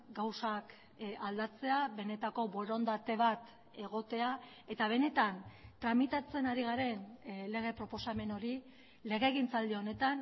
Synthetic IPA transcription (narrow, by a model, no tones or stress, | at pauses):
ɡawsak | ald̪at͡se̞aβe̞ne̞t̪ako̞βo̞ɾo̞nd̪at̪e̞β̞at̪ | e̞ɣ̞o̞t̪e̞a | e̞t̪aβ̞e̞ne̞t̪ant̪ɾamit̪at͡se̞naɾiɣ̞aɾe̞nle̞ɣ̞e̞pɾo̞po̞same̞no̞ɾi | le̞ɣe̞ːɣint͡sald̪io̞ne̞t̪an